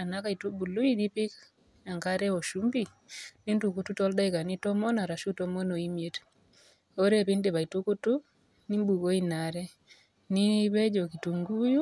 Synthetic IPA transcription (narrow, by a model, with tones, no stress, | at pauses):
a˨na˦ka˦i˨tu˦bu˨lu˦i˦di˦pɪ˦k | a˨ŋka˦ɾɛ˦ɔ˨ʃu˦mbi˨ | ni˦ntu˨kutu˦tɔ˦lda˦ika˨ni˦tɔ˦mɔ˦na˨ɾa˨ʃu˦tɔ˦mo˦no˨i˦mje˦t | o˦ɾe˦˨pɪ˦nde˨βa˨i˨tu˦ku˦tu˦ | ni˦mbu˨ko˦i˦na˨ɾɛ˦ | ni˦βɛ˦d͡ʒo˨ki˨tu˨ŋɡu˦ju˦